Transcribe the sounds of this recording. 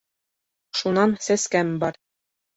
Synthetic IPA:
ʃunɑnsæskæmbɑɾ

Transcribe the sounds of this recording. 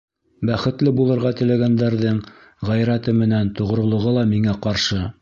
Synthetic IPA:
bæχɘ̆t̪lɘbulˠɤ̆ɾʁɑt̪ɘ̆læɡænd̪æɾðɘɴ | ʁæjɾæt̪ɘmɘ̆nænt̪ŏʁ̆ɾŏlˠŏʁɤlˠɑmiŋæqɑɾʃɤ

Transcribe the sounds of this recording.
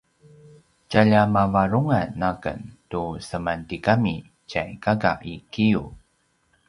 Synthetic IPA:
caʎamavaɾuŋanːakə̰ntusəmantikami | cajkaɡa̰ʔikijṵ

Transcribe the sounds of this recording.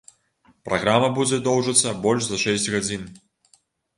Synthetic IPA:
pɾʔaɣɾamɐbud͡zʲɛd̪ɔwʐɨt̪sːɐbɔlʲʂzɐʂɛsʲt͡sʲɣad͡zʲin

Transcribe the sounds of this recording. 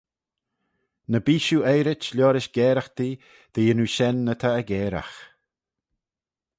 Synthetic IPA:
nəbiːʃuːɛjɾɪt͡ʃlʲɔːɾɪʃɡɛːɾaxd̪̥iː | d̪̥iːənuʃɛnːət̪ʰaəɡɛːɾa̰x

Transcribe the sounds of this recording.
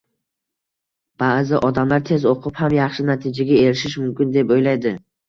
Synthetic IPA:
b̥aːzɪʔɒd̪amlaɾt̪ʰe̞zoqʰʊphamjɑχʃɪnat̪ʰɪd͡ʒaɡʲae̞ɾɪʃɪʃmʊmkʲɪnd̪epojlajd̪ɪ

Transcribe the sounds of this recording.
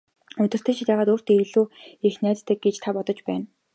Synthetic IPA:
ɵt̪ɪ̆r̥t̪ʰɘ̆t͡ɕʰɪ̆t̪jæːʁaːt̪uːr̥t̪eɮuːexnæːt̪t̪ʰːɘ̆ɡ̚ɡet͡ɕt̪ʰapɔt̪ɞ̆t͡ɕpæːn

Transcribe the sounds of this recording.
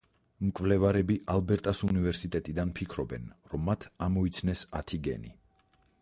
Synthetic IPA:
mkʼvlɛvaɾɛbiʔalˠbɛɾt̪ʼasunivɛɾsit̪ʼɛt̪ʼid̪anpʰikʰɾɔbɛ̰nɾɔmːat̪ʰamɔit̪sʰnɛsat̪ʰiɡɛ̰nḭ

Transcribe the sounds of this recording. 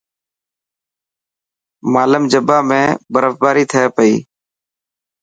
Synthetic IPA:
maːləmd͡ʒəbʱaːmẽːbəɾəfbaːɾiːt̪ʰəeːpəiː

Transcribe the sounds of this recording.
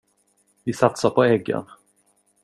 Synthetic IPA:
vɪsat̪sapʰɔɛɡːə̰n

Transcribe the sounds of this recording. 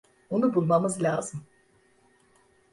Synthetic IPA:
unubulˠmamɯzlʲaːzɯm

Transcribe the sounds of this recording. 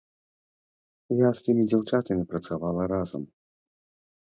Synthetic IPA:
jast̪ɨmʲid͡zʲawt͡ʂat̪ɐmʲipɾɐt̪savalˠɐɾazɐ̰m

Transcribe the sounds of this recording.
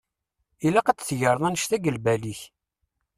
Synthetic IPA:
ilæqæd̪θʝəɾˤðˤɑnəʃθæɡəlbæliç

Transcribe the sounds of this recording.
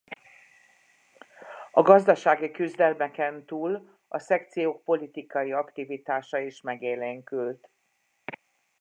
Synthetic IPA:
ɒɡɒzd̪ɒʃaːɡikyzd̪ɛlmɛkɛnt̪uːl | ɒsɛkt̪sijoːk̚po̞lit̪ikɒjiɒkt̪ivit̪aːʃɒiːʃmɛɡeːleŋkylt̪

